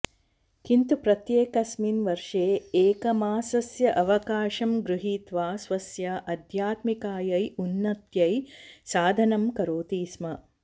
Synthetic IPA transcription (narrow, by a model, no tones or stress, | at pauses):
kint̪upɾɐt̪jeːkɐsminʋɐɾʂeːeːkɐmaːsɐsjɐʔɐʋɐkaːʃɐmɡɾuɦiːt̪ʋaːsʋɐsjɐʔɐd̪ʱjaːt̪mikaːjɐjunːɐt̪jɐjsaːd̪ʱɐnɐmkɐɾoːt̪iːsmɐ